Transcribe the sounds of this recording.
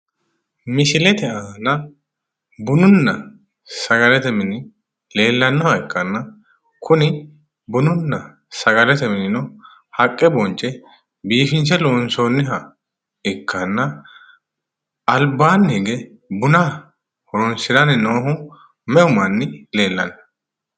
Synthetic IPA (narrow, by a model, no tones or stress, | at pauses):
mɪʃɪlɛt̪ɛʔɐnɐ | bʊnʊnːɐ | sɐɡɐlɛt̪ɛmɪnɪ | le̞ːlːɐnːɔhɐɪkːɐnːɐ | kʰʊnɪ | bʊnʊnːɐ | sɐɡɐlɛt̪ɛmɪnɪnɔ | hɐkʼːɛbɔnt͡ʃʼːɛ | biːfɪnt͡ʃɛloːnsonːɪɦɐ | ɪkʰːɐnːɐ | ɐlbaːnːiɡɛ | bʊna | hɔɾʊnsɪd̪ɐnɪnoːɦʊ | mɛʔʊmɐnːɪle̞ːlːɐnːɐ